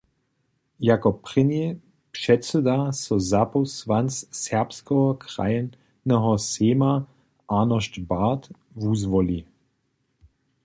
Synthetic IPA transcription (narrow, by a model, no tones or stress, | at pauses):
jakɔpʁɪnje | pʃɛtsɛd̪asɔzapɔsʋanssɛʁpskɔɦɔkʁa̰jn | nɛɦɔseːma | ʔanɔʃtbat̪ | vuzvɔli